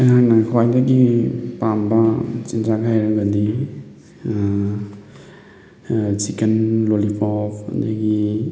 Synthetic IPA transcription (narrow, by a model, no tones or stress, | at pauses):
aŋɦak̚nakʰwajdaɡipambɐt͡ʃindɾakʰajɾɐɡadi | t͡ʃikenlolipʰɔpɐ̰ndaɡi